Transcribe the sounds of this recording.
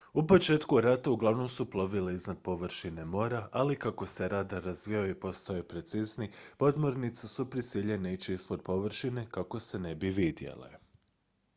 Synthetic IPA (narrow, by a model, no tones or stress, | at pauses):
upo̞t͡ʃe̞ːt̪kuɾat̪auɡlˠaʋno̞msuplˠo̞ʋileiznad̪̥̚po̞ʋr̩ʃine̞mo̞ːɾaʔalikako̞se̞ɾad̪aɾazʋijaoipo̞st̪ajopɾe̞t̪siznipo̞d̪mo̞ɾnit̪sesupɾisiʎe̞neit͡ʃiispod̪̚po̞ʋr̩ʃine̞kako̞se̞nebiʋid̪je̞̰lḛ